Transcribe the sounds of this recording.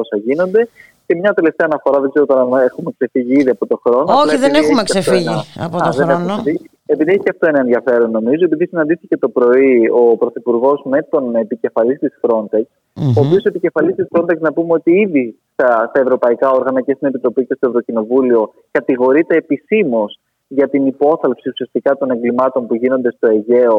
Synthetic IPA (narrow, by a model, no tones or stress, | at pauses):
osɐʝino̞nd̪e̞ | cemɲɐt̪e̞left̪eɐnɐfo̞ɾɐðe̞ɡzeɾot̪ɐnexume̞kse̞fiʝiiðiɐpo̞t̪o̞xɾo̞noolɐðenexuumekssefiʝiɐpooðenɐni | e̞piðieçi̥cɐft̪o̞enɐenðiɐfe̞ɾonːo̞mizoe̞piðisinɐnd̪iθice̞t̪o̞pɾo̞io̞pɾo̞θipuɾɣo̞zme̞t̪o̞ne̞pice̞fɐlist̪isfɾo̞nt̪e̞ks | oːpiosoepice̞fɐlist̪isfɾo̞nt̪ekznɐpumeo̞t̪iiðist̪ɐst̪ɐevɾo̞pɐikɐoɾɣɐnɐce̞st̪ine̞pit̪ɾo̞pice̞st̪ovɾo̞cino̞vulio̞ | kɐt̪iɣo̞ɾit̪e̞ːpisimos | ʝɐt̪inipo̞θɐlpsiusiɐst̪ikɐt̪o̞ne̞ŋɡlimɐt̪o̞npuʝino̞nd̪e̞st̪o̞e̞ʝe̞o̞